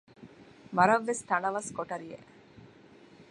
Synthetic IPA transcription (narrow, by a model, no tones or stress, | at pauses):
ʋɐɾɐʋːest̪ɐnɐʋɐskoʈɐɾijḛʔ